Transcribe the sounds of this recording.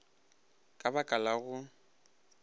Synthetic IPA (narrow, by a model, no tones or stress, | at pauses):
kʼabakʼalaɣʊ